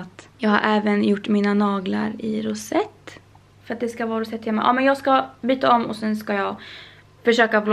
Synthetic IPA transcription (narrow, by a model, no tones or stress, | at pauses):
t̪jɑːɡha̰ɾʔɛːvənjʊʈːmiːnanɑːɡla̰ɾɪɾʊsɛt̪ː | fœɾat̪̚d̪ɛskavɑːɾʊsɛt̪hɛlmːa̰ʔɑ̰ːmɛnjɑːɡskabyːt̪aɔmːɔ̰sɛnskajɑːɡ | fœʂøːkabl